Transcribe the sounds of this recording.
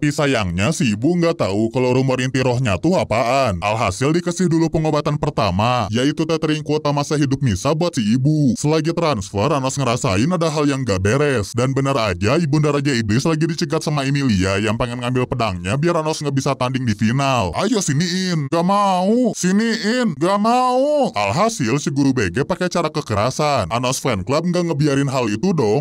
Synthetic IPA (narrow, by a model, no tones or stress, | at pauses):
pisajaŋɲasiːbuŋɡat̪aukaloɾumoɾint̪iɾɔɦɲat̪uhapaʔanhalɦasɪldikəsɪhdulupəŋobat̪anpərt̪amajait̪ut̪ət̪əɾiŋkuot̪amasaɦidʊp̚misabuat̪̚siibusəlaɡit̪ɾansfəranɔsŋəɾasa̰ɪnadaɦaljaŋɡaʔbeɾɛsdanbənarad͡ʒaibundaɾad͡ʒaiblɪslaɡidit͡ʃəɡat̪̚samaimiliajaŋpaŋɛnŋambɪlpədaŋɲabiaɾanɔsŋɡabisat̪andɪŋdifinalʔajɔsiniɪnɡaʔmausiniʔɪnɡaʔmauha̰lɦasɪlsəɡuɾubeɡɛpakɛt͡ʃaɾakəkəɾa̰sananɔsfɛnklap̚ŋɡaʔŋəbiaɾɪnɦalit̪udɔŋ